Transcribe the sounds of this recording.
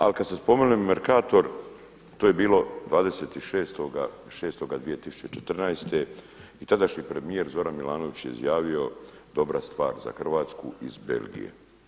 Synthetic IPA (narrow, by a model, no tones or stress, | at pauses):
a̰likad̪sespo̞menemmeɾkaːt̪o̞ɾ | t̪oːje̞biːlo̞d̪ʋaːd̪e̞se̞t̪iʃeːst̪oɡa | ʃe̞ːst̪o̞ɡad̪ʋijet̪isu̥t͡ʃt͡ɕe̞t͡ʃet̪r̩nast̪e̞ | it̪ad̪aʃɲipɾe̞mije̞ɾzo̞ɾanmilˠaːno̞ʋit͡ɕjḛḭzjaːʋio̞d̪o̞bɾʔast̪ʋa̰ːɾza̰xr̩ʋaːt̪skuizbe̞̰lɡḭjḛ